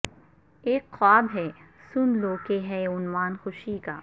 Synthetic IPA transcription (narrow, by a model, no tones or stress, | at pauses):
eːkxaːbɦɛsʊnloːkeɦɛʊnwaːnxʊʃikaː